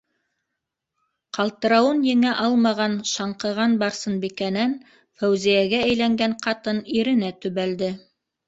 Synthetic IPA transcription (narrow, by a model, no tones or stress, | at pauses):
qɑlˠt̪ɤ̆ɾɑwɤnjɘ̆ŋæʔɑlˠmɑʁɑnʃɑɴqɤ̆ʁɑnbɑɾsɤnbikænæn | fæwzijæɡæːjlæŋɡæɴqɑt̪ɤniɾɘ̆næt̪ɵ̆βæld̪ɘ